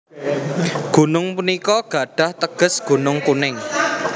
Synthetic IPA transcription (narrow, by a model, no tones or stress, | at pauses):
ɡ̥ṳnʊŋpunikɔɡ̥a̤ɖ̥a̤ht̪əɡ̥ə̤sɡ̥o̤nʊŋkunɪŋ